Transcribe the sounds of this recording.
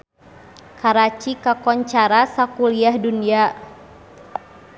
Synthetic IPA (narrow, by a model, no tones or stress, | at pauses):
kaɾat͡ʃikakɔɲt͡ʃaɾasakuliahdunia